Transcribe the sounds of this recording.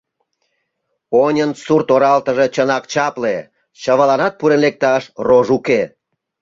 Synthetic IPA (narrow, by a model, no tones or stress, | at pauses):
onʲənsurt̪oɾɑlt̪əʒet͡ɕənɑkt͡ɕɑple | t͡ɕəβəlɑnɑt̪̚puɾenlek̚t̪ɑʃroʒuke